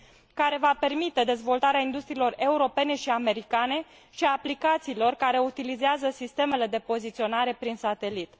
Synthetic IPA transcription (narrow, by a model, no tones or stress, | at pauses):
kaɾe̞vape̞rmit̪e̞d̪e̞zvo̞lt̪aɾeaind̪ust̪ɾiːlo̞re̞uɾo̞pe̞ne̞ʃiame̞ɾikane̞ | ʃiaːplikat̪siːlo̞rkaɾe̞ut̪ilizeazəsist̪e̞me̞le̞d̪e̞po̞zit̪sio̞naɾe̞pɾinsat̪e̞lit̪